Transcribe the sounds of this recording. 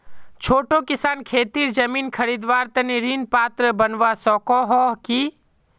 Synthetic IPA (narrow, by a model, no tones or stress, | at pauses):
t͡ʃʰoːʈokɪsaːnkʰeːt̪iːɾd͡ʒɐmiːnkʰɐɾiːd̪ʋaːɾt̪ɐniɾiːnpaːt̪ɾəbɐnʋasɔːkɔɦɔːɦkiː